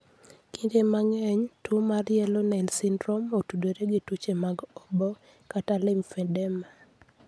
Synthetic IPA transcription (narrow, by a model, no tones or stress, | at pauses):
kindemaŋɛɲtumarjɛlonansindɾɔmotudeɾeɡɪtut͡ʃemaɡɔbɔ | katalɪmfɛdɛma